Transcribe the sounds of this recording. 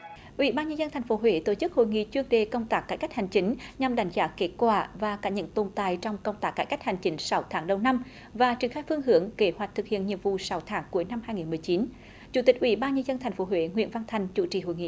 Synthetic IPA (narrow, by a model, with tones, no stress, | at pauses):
ʔwḭ˧˩˦ɓaː˧nɲə˧nzə˧nt̪ʰa˨˩jŋ̟fo˨˦ɦwe˧˩˦t̪o˧˩t͡ɕɨ˦˥k̚ho̰˧˨jŋḭ˧˨t͡ɕɨ˧əŋɗe˨˩kə˧wŋ͡mt̪aː˦˥kːaː˧˥jka˦˥jk̚ha˨˩jŋ̟t͡ɕï˨˦ŋ̟ɲa˨˩mɗa˨˦jŋ̟zaː˨˦ke˦˥t̚kwaː˧˩vaː˨˩kaː˧˥ɲə̰˧˥nt̪o˧˩nt̪aː˧˨jt͡ɕɔ˧wŋ͡mkə˧wŋ͡mt̪aː˦˥kːaː˧˩jka˦˥jk̚ha˨˩jŋ̟t͡ɕï˨˦ŋ̟sa˨˦wt̪ʰaː˨˦ŋɗə˨˩wna˧m | vaː˨˩t͡ɕi˨˩əŋxaː˧jfɨ˧əŋɦɨ˧˩əŋke˨˦hwa˨˩jk̚t̪ʰɨ˨˩k̚hḭ˧˨ənɲḭ˧˨əmvṵ˧˨sa˨˦wt̪ʰaː˨˦ŋku˨˦əjna˧mhaː˧jŋi˨˩nmɨ˨˩əjt͡ɕi˨˦n | t͡ɕu˧˥t̪ï˩k̟̚ʔwi˧˩˦ɓaː˧nɲə˧nzə˧nt̪ʰa˨˩ŋ̟fo˨˦ɦwḛ˧˦ŋwḭ˧˨ənva˧nt̪ʰa˧˩jŋ̟t͡ɕṵ˧˨t͡ɕḭ˧˩ɦo̰˧˨jŋḭ˧˨